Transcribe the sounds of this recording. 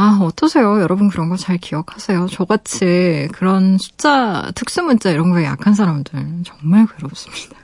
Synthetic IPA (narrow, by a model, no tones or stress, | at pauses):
aʌt͈ʰːʌsʰe̞jojʌɾʌbɯnk̬ɯɾʌnɡʌt͡ɕaɭkiʌkʰasʰe̞jot͡ɕʌɡat͡ɕʰekɯɾʌnsʰu̥t͡ɕ͈atʰɯk̚s͈ɯmunt͡ɕ͈aiɾʌnɡʌeja̰kʰansʰaɾamdɯɭt͡ɕʌŋmaɭkweɾʌp̚s͈ɯmɲid̥a